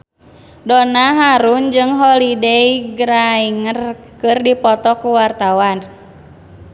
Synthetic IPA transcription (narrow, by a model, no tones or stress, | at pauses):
donaɦaɾund͡ʒɨŋɦɔlidejɡɾaiŋər | kɨrdipɔt̪ɔkuwart̪awan